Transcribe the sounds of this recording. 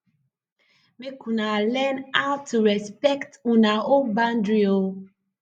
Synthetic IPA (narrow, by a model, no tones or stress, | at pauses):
mekunalɛnaʊtʰuɹɛspɛktunaobãndɹio